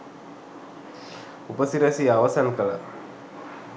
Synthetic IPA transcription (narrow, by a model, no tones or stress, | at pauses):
upasiɾasijawasankala